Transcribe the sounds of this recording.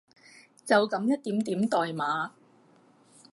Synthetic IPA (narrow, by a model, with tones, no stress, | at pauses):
t͡sɐ˨wkɐ˨˧˥mjɐ˥t̪̚t̪iː˨˥mt̪iː˨˥mt̪ɔː˨jmaː˨˥